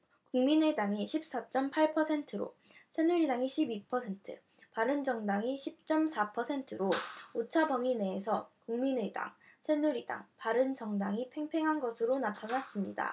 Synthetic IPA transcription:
kuŋmine̞daŋiɕʰip̚s͈at͡ɕ͈ʌmpʰaɭpʰʌsʰe̞ntʰɯɾo̰ | sʰe̞nuɾidaŋiɕʰibipʰʌsʰe̞ntʰɯ̰ | paɾɯnd͡ʑʌŋdaŋiɕʰip̚t͡ɕ͈ʌmsʰapʰʌsʰe̞ntʰɯɾoot͡ɕʰabʌŋine̞ːs̬ʰʌkuŋmine̞da̰ŋ | sʰe̞nuɾida̰ŋpaɾɯnd͡ʑʌŋdaŋipʰe̞ŋpʰe̞ŋɦanɡʌsʰɯɾonatʰanas͈ɯmɲida̰

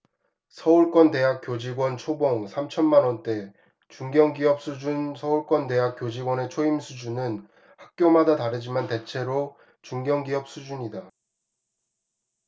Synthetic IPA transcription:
sʰʌuɭk͈wʌnte̞ɦak͈̚jod͡ʑiɡwʌnt͡ɕʰoboŋsʰamt͡ɕʰʌnmanwʌnt͈e̞ | t͡ɕuŋɡjʌŋɡiʌp̚s͈ud͡ʑunsʰʌuɭk͈wʌnde̞ɦak̚k͈jod͡ʑiɡwʌne̞t͡ɕʰoimsʰud͡ʑunɯn | hak̚k͈jomadataɾɯd͡ʑimante̞t͡ɕʰe̞ɾo | t͡ɕuŋɡjʌŋɡiʌp̚s͈ud͡ʑuɲida

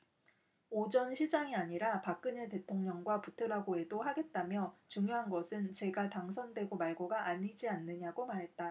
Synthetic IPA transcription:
od͡ʑʌnɕʰid͡ʑaŋiaɲiɾapak̚k͈ɯɲete̞tʰoŋɲʌŋɡwaputʰɯɾaɡoe̞dohaɡe̞t̚t͈amjʌt͡ɕuŋjoɦanɡʌsʰɯnt͡ɕe̞ɡataŋs̬ʰʌndwe̞ɡomaɭɡoɡaʔaɲid͡ʑianːɯɲaɡomaɾɦe̞t̚t͈a

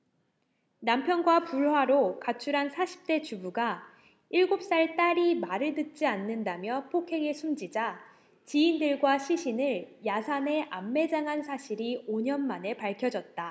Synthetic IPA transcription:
nampʰjʌnɡwapuɭhwaɾokat͡ɕʰuɾɦansʰaɕʰi̥p̚t͈e̞t͡ɕubuɡa | iɭɡop̚s͈aɭt͈aɾimaɾɯɭtɯt̚t͡ɕ͈ianːɯndamjʌpʰokʰe̞ŋesʰumd͡ʑid͡ʑa | t͡ɕiːndɯɭɡwaɕʰiɕʰinɯɭjasʰane̞ʔamːe̞d͡ʑaŋɦansʰaɕʰiɾioɲʌnmane̞paɭkʰjʌd͡ʑʌt̚t͈a

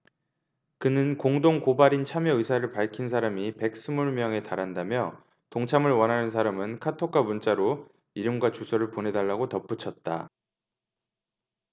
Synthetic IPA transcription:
kɯnɯnkoŋdoŋkobaɾint͡ɕʰamjʌɯsʰaɾɯɭpaɭkʰins̬ʰaɾamipe̞k̚s͈ɯmuɭmjʌŋe̞taɾɦandamjʌ | toŋt͡ɕʰamɯɭwʌnɦanɯnsʰaɾamɯnkʰatʰok͈ʰamunt͡ɕ͈aɾo | iɾɯmɡwat͡ɕusʰʌɾɯɭpone̞daɭːaɡotʌp͈ut͡ɕʰʌt̚t͈a̰

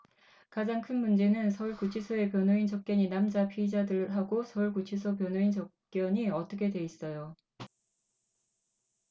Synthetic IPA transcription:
kad͡ʑaŋkʰɯnmund͡ʑe̞nɯnsʰʌuɭkut͡ɕʰisʰʌe̞pjʌnoint͡ɕʌp̚k͈jʌɲinamd͡ʑapʰiid͡ʑadɯɭɦaɡosʰʌuɭkut͡ɕʰisʰʌp̬jʌnoint͡ɕʌ | k͈jʌɲiʌt͈ʌkʰe̞dwe̞is͈ʌjo

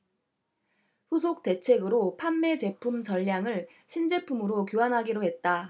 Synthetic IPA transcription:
ɸusʰok̚t͈e̞t͡ɕʰe̞ɡɯɾopʰanːe̞t͡ɕe̞pʰumt͡ɕʌʎːjaŋɯɭ | ɕʰind͡ʑe̞pʰumɯɾokjoanɦaɡiɾoɦe̞t̚t͈a

